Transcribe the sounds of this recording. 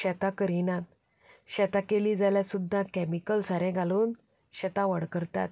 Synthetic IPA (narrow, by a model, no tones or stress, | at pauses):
ɕɛt̪akəɾinat̪̚ | ɕɛt̪akeliːd͡zaljasud̪ʱːakɛmikəlsaɾɛ̃ɡʱaluːn | ɕɛt̪aʋəɽkəɾt̪a̰t̪̚